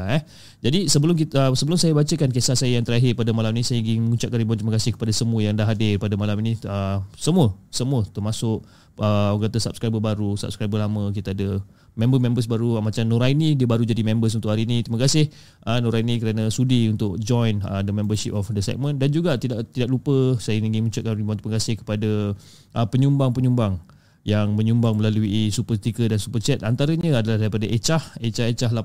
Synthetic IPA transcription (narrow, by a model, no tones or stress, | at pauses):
aɛ | d͡ʒadisəbəlʊmkiəsəbəlʊmsajabat͡ʃəkankesasajəjaŋt̪əɾaɦɪrpadamalaminisajəɡiməŋuɲt͡ʃaʔkːanɾibɔnt̪ɾiməkasɪhkə̥padasəmuəjaŋdaɦadɪrpadamalaminĩəsəmuəsəmuət̪ərmasʊk̚ | əkat̪əsap̚skɾajbəbaɾusa̰p̚skɾajbəlamə̃kit̪aadə | mɛ̃mbəmɛ̃mbəsbaɾumat͡ʃamnoɾajnidiəbaɾud͡ʒadimɛ̃mbəs̬unt̪ʊʔhaɾiːnĩt̪ɾiməkasɪh | ʔənoɾainĩkəɾanasudiunt̪ʊk̚d͡ʒɔjnə̰dəmɛ̃mbəsip̚ɔfdəsɛ̰k̚mə̃ndand͡ʒuɡat̪idaʔt̪idaʔ̚lupəsajəniŋimut͡ʃʊʔkanibãnt̪iməkasɪhkə̥pada | ʔəpəɲumbaŋpəɲumbaŋ | jaŋmə̃ɲumbaŋməlaluisupəst̪ikədansupət͡ʃɛt̪̚ant̪aɾəɲə̃adalahdaɾipadaʔet͡ʃahet͡ʃahet͡ʃaɦla